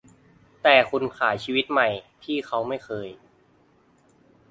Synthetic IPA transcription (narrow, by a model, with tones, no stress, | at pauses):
t̪ɛː˨˩kʰu˧nkʰaː˩˦jt͡ɕʰiː˧wi˦˥t̪̚ma˨˩jt̪ʰiː˥˩xʰa˦˥wma˥˩jxʰɤː˧j